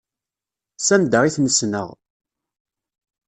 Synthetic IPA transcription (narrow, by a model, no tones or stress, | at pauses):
sænd̪əʁiθnəsnə̰ʁ